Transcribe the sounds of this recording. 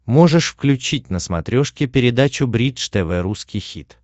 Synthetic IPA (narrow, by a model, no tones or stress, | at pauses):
mo̞ʐɨʂfklʲʉt͡ɕit̚ʲnəsmɐ̰t̪ɾʲo̞ʂkʲɪpʲɪɾʲɪd̪at͡ɕʊbɾʲiʂt̪ɛvɛɾuskʲɪjxʲḭt̪